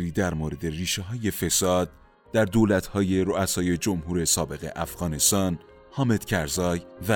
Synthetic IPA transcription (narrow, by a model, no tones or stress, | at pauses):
ɾiːd̪æɾmoɾe̞d̪e̞riːʃeɦɒːje̞fe̞sɒːd̪̥̚ | d̪æɾd̪oːlæt̪hɒːje̞ɾoæsɒːje̞d͡ʒo̞mɦuːɾe̞sɒːbe̞ɣe̞̰ʔæfɣɒːne̞st̪ɒːn | hɒːme̞d̪̥cʰæɾzɒːjvæ